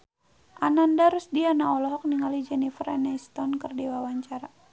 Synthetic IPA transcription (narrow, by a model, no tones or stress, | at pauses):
ʔanandaɾusdianaɔlɔɦɔk̚niŋalid͡ʒɛnifərɛnɛst̪ɔnkərdiwawaɲt͡ʃaɾa